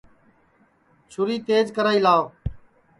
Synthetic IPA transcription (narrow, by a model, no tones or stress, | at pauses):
t͡ʃʰʊɾiːt̪eːd͡ʒkəɾaːiːlaː